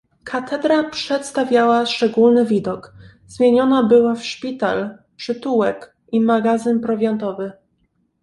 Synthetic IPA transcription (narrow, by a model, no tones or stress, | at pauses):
kʰat̪ʰɛd̪ɾapʂɛt̪st̪avʲjawaʂt͡ʂɛɡulnɘvʲid̪ɔkz̥mʲjeɲɔnabɘwafʂpʲit̪al | pʂɘt̪uwɛk | imaɡazɘnpɾɔvʲjɔnt̪ɔvɘ